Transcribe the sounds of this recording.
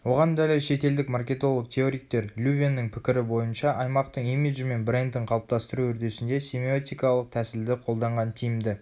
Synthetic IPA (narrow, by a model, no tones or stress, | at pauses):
wo̞ʁɑnd̪ælɪʃe̞t̪e̞ld̪ɪkmarkʲe̞t̪o̞lˠəq̚t̪ʲʰeo̞ɾijk̚t̪e̞ɾlʲuvʲenːɪŋpʰɪ̥kʲɪɾɪbo̞jənʃɑʔɑjmɑqt̪əɴimʲiʒɪme̞nbɾe̞nd̪ɪɴqʰɑlˠp̚t̪ɑst̪əɾuɵɾd̪e̞sɪnd̪e̞sʲemʲiot̪ijkɑlˠəq̚t̪ʰæsɪld̪ɪqʰo̞lˠd̪ɑɴʁɑnt̪ʰijɪmd̪ɪ